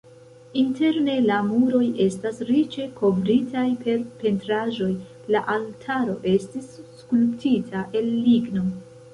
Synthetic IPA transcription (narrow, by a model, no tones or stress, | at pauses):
inte̞ɾne̞lamuɾo̞je̞stasɾit͡ʃe̞kʰo̞vɾitʰajpe̞ɾpe̞ntɾaʒo̞j | laʔaltʰaɾo̞ʔe̞stisː | kulptitʰaʔe̞lːiɡno̞